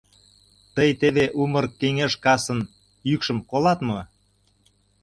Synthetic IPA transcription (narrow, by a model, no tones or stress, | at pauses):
t̪əjt̪eβeʔumərkeŋeʃkɑsə̆n | jykʃə̆mkolɑt̪mɤ